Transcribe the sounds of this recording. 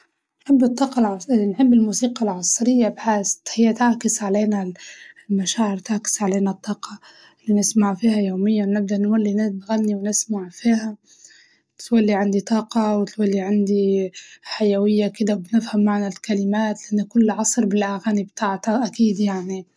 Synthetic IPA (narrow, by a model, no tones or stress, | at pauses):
nħɪbːɨt̪ˤːɑːqɑlʕɑnħɪbːɪlmuːsiːqɑlʕɑsˤɾɪjːabħaːst̪hɪjːat̪aʕkɪsʕaleːnalmaʃaːʕɪɾt̪aʕkɪ̥sʕaleːnat̪ˤːɑːqʰɑ | lːinɪsmaʕfiːhajoːmɪjːawnɪb̚d̪aʔnwalːinɪnɣanːiwnɪsmaʕfiːha | t̪ɪ̥t̪walːiʕand̪it̪ˤɑːqɑwɪt̪walːiʕand̪iħajawɪjːakɪd̪awbnɪfhamːaʕnalkalɪmaːt̪lɪʔanːʊkʊlːʕɑsˤɾbɪlʔaɣaːnibt̪aːʕt̪aʔakiːd̪jaʕni